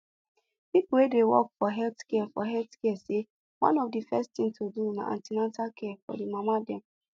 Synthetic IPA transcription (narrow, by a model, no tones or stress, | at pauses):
pipʊwedewɔ̰kfɔɦɛltkɛafɔ̰ɦɛltkɛɛse | wã̰nɔvdifɛsttɪ̃ŋtʰoduna̰ʔã̰ntinatakʰɛɛfɔ̰dimamadɛm